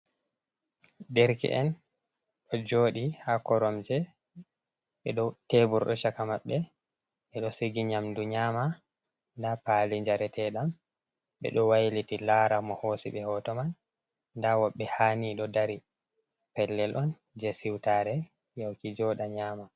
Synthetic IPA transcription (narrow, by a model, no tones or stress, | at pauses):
dɛɾkɛ̰ʔɛn | ɗɔd͡ʒoːɗihakɔɾɔmd͡ʒɛ | ɓɛɗɔtebuɾɗɔt͡ʃakamaɓːɛ | ɓɛɗɔsiɡiɲamduɲaːma | ndapaliɲd͡ʒaɾɛtʰɛɗam | ɓɛ̰ɗɔwajlitilaɾamɔhosḭɓɛhɔtɔmanː | dawɔɓːɛhaːniɗɔdaɾi | pɛlːɛlʔɔn | d͡ʒɛsiwtaːɾɛ | jawkid͡ʒɔɗaɲaːma